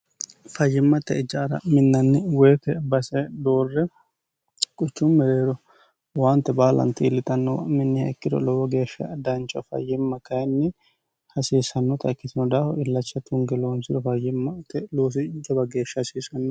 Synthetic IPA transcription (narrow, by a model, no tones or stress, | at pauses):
fɐjːɪmːɐt̪ːɛɪd͡ʒːɐːɾɐ̰mɪnːɐnːɪweːfɛbɐsɛd̪oːrːɛ | kʼʊt͡ʃːʊmːɛɾeːɾɔ | waːnt̪ːɛbaːlɐ̰nt̪iːlːɪt̪ʼɐnːɔw̰mɪnːɪhɐ̰kːɪd̪ɔ̰lɔwɔɡe̞ːʃːɐ̰d̪ɐnt͡ʃʼːɔfɐ̰jːɪmːɐkɐjnːɪ | hɐsiːsɐnːɔt̪ʼɐkːɪt̪ɪnɔd̪aːfɔɪlːɐt͡ʃːɐt̪ʊŋɡɛloːmsɪd̪ɔfɐjɪmːɐt̪ːɛloːs̬ɪd͡ʒɐbɐɡe̞ːʃːɐhsiːsɐnːɔ